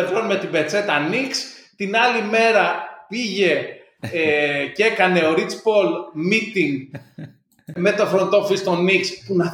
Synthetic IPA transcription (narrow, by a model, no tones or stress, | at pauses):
ɾɣonme̞t̪ibe̞t͡se̞t̪ɐnikst̪inɐlime̞ɾɐpiʝe̞ | ce̞kɐne̞o̞ɾit͡spo̞lmit̪iŋɡ | me̞t̪ofɾo̞nd̪o̞fist̪o̞nikspunɐ